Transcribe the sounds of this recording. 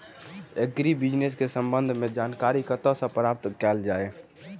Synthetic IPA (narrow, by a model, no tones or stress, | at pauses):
eɡɾibɪd͡ʒnes̬kesə̃mbə̃nd̪ʱmẽd͡ʒaːnkaːɾikət̪ãsãpɾaːp̚t̪kɛːld͡ʒaːe